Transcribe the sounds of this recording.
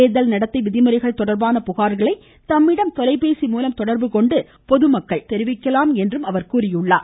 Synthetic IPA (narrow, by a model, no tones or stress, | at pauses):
eːðɐlnɐɽɐt̪ːɐɪʋɪðɪmɯɾɐɪɣɐɭt̪ɔɽɐɾbaːnɐpʊɣaːɾɣɐɭɐɪ | t̪ɐmːɪɽɐmt̪ɔlɐɪpeːsimuːlɐmt̪ɔɽɐɾbɯkɔɳɖɯ | pɔðɯmɐkːɐɭt̪ɛɾɪʋɪkːɐlaːmɛndrɯmɐʋɐɾkuːrɪjɯɭːa̰ː